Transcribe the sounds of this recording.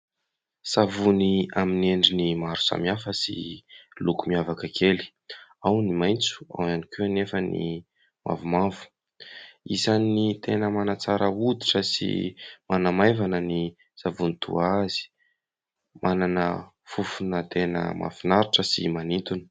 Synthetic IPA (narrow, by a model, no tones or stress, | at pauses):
savuniamineɳɖ͡ʐinimaɾu̥sa̰miafəsḭlukumiavakəkʰeli̥ | awnimajnt͡su̥a̰wanikunefənḭ | mʔa̰vumavu̥ | izanːit̪enəmanat͡saɾəud̪iʈ͡ʂəsḭmanamajvanəni | savunit̪ʰṵazi̥ | mʔananə | fufunət̪enə̰ma̰finaɾiʈ͡ʂəsḭmanint̪uni̥